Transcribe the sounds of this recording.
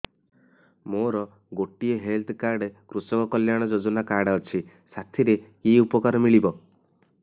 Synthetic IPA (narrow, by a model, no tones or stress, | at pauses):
moɾɔ | ɡoʈieɦelt̪ʰkaɾɖekɾusɔkɔkɔljaɽ̃ɔd͡ʒod͡ʒɔnakaɾɽɔt͡ʃʰi | sat̪ʰiɾekiupɔkaɾɔmiɭibɔ